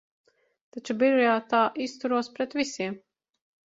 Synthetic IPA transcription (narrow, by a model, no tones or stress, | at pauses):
t̪at͡ʃubiɾɔjaːt̪aːʔist̪uɾuɔspɾɛt̪visʲiɛm